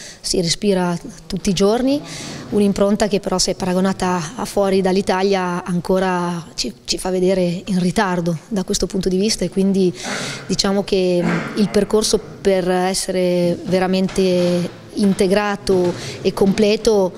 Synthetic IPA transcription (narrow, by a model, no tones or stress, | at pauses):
siɾespiːɾat̪ut̪ːiːd͡ʒorniunimpɾont̪ak̟epːeɾʔɔseɛpːaɾaɡonaːt̪aːfːwɔːɾid̪alːit̪aljaːŋkoːɾat͡ʃit͡ʃifavːed̪eːɾeinrit̪ard̪od̪akwest̪opunt̪od̪ivist̪aekːwind̪id̪it͡ʃaːmok̟eilperkorso | perɛsːeɾeveɾament̪e | int̪eɡɾaːt̪oekːomplɛːt̪o